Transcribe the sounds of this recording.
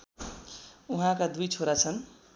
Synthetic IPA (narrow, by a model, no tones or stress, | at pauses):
uɦãkad̪ujt͡sʰoɾat͡sʰʌn